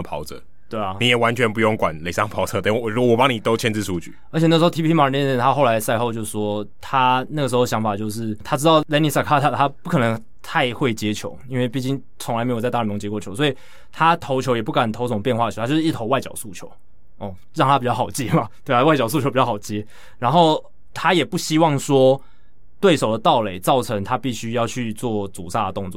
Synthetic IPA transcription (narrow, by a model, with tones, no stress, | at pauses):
pʰɑ˨˧˥ʊt͡sɤ̰˨˩˦ | t̪we˥˩ɪa˨˩ni˨˦jɛ˨˩wa˧˦nt͡ɕʰɥɛ˧˦npu˧jo˥˧˨ŋkwa̰˨˩˦nle˨˩sɑ˥˧ŋpʰɑ˨˥ʊt͡sʰɤ˥˧t̪a˨˦˥u˧˥wɔ˨˩pɑ˦ŋni˨˩t̪o˥ʊt͡ɕʰjɛ˥˧nt͡s̩˥˧su˥˧t͡ɕy̰˥˩ə˧˥t͡ɕʰjn̩˥˩˧o˥˧˩tʰi˥pi˥pʰi˥ma˨˩˨n˥˩ə˥˧nt̪ʰa˦˥xo˥˩ʊla˧˦ɪsa˥˧ɪxo˥˧ʊt͡ɕjo˥˧ʊʂ̩˧˩ʂwɔ˥t̪ʰa˥na˥˩ɡə˩ʂɻ̩˧˥o˧ɕjɑ˧˥ŋfa˨˩t͡ɕjo˥˧ʊʂɻ̩˥˩t̪ʰa˥ʈ͡ʂɻ̩˥t̪ɑ˥˩ʊlɛ˥ni˨˩sa˥˩kʰa˥t̪ʰa˥t̪ʰa˦˥pu˥˩kʰɤ˨˩nɤ˧˦ŋ | t̪ʰa˥˧ɪxwe˥˩ɪt͡ɕjɛ˦˥t͡ɕʰjo̰˧˦ʊi˥nwe˥˧ɪpi˥˧t͡ɕi˥˧ŋ | t͡sʰʊ˧˥ŋla˧ɪme˧˥jo˨˩t͡sa˥˧t̪a˥˩˨o˧ŋt͡ɕjkwɔ˧˩o˧˦ʊswɔ˧˥i˨˩ | t̪ʰa˦t̪ʰo˧˥ʊt͡ɕʰjo˧˥ʊjɛ˨˩p̬u˥˩ka˨˩nt̪ʰo˧˥o˨˩ŋpjɛ˥˧nxwa˥˩ə˨˧a˥jo˧ʂt̪ʰo˧˥ʊwa˥˧ɪt͡ɕjɑ̰˨˩ʊsu˥˩t͡ɕʰjo̰˧˦ʊ | ɔ˥˩ | ɻɑ˥ŋt̪ʰa˥pi˨˩t͡ɕjɑ˥˩xʰɑ˨˩t͡ɕjɛ˥ma˨t̪we˥˩ɪa˥˩wa˥ɪt͡ɕɑ˨ʊsu˥˩t͡ɕʰo˧˦pi˨˩t͡ɕɑ˥˨˩t͡ɕjɛ˦˥ | ɻa˧˥nxo˥˩ʊ | t̪ʰa˥jɛ˨˩pu˥˩ɕi˦˥wɑ˥˩ŋʂwɔ˥ | t̪we˥˩ɪʂo˨˩ʊd̪ə˩t̪ɑ˥˩ʊle˨˩˦ɪt͡sɑ˥˩ʊʈ͡ʂʰə˧˥ŋt̪ʰa˦pi˥˩ɕy˥jɑ˥˧ʊt͡ɕʰy˥˧t͡swɔ˥˩t͡sṵ˨˩sa˥˩d̪ə˩t̪ʊ˥˧ŋt͡swɔ˥˩